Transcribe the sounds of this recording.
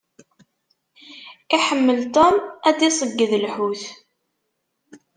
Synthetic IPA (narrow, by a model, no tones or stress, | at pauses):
iħəmːəlt̪ˤomæd̪isˤəɡːəðəlħuθ